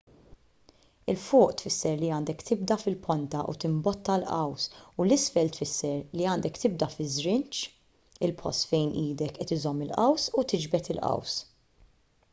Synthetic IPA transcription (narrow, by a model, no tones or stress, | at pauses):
ɪlfʊːʔt̪fɪsːɛɾliɐːnd̪ɛkt̪ɪb̚d̪ɐfɪlpʰɔnt̪ɐʔṵt̪ɪmbɔt̪ːɐlʔɐ̰wsulɪsfɛlt̪fɪsːɛɾliɐːnd̪ɛkt̪ɪb̚d̪ɐfɪzɾɪnt͡ʃ | ɪlpʰɔ̰st̪fɛjnʔiːd̪ɛkʔɛt̪ɪzɔmːɪlʔɐwsut̪ɪd͡ʒbɛt̪ɪlʔɐ̰ws